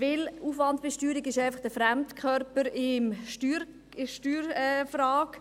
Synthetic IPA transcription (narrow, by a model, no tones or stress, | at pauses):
vɪluːfʋɑndv̥ɪʃtyːɾiɡɪʃæɪfɑχd̥əfɾæmtkʰχœɾpəɾɪmʃtyːɾ | ɪʃtyːɾɛfraːk